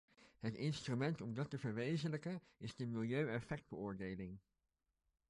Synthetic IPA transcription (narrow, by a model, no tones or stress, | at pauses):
ɦətɪnstrymɛntɔmdɑtəvəɹʋejzənləkə | ɪzdəmɪlˠjøɥɛfɛk̚d̚bəʊːɹdejlɪŋ